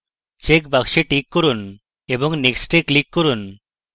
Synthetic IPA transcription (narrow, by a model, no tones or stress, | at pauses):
t͡ʃekbakʃeʈikːɔɾun | ebɔŋneksʈeklikːɔɾun